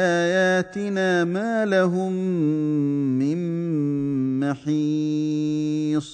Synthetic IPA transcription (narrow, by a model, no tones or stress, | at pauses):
ʔaːjaːt̪ɪnaːmaːlaɦʊm | ɪn | maħiː | sˤ